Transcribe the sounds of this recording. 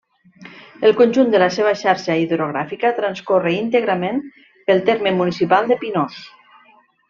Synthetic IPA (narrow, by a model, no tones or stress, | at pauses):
əlˠkonʲʒund̪ələseβ̞əʃaɾʃaiðɾoɣ̞ɾafikət̪ɾənskoreint̪eɣɾəmen | pəlˠt̪eɾmemunisipalˠd̪əpinos